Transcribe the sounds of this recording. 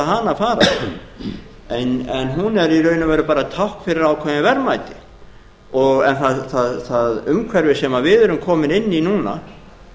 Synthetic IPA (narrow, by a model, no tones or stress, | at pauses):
aɦanafaːɾa | ɛnɛnɦunɛɾiɾœːɥnʏvɛjɾʏpaːɾat̪ʰawhkfɪɾɪɾaːwkʰvɛnavɛɾmajt̪ɪ̥ | ɔɣɛnθaðθaðθaðʏmkʰvɛɾvɪsɛːmavɪðɛɾʏmkʰɔːmɪnɪnːinuːna̰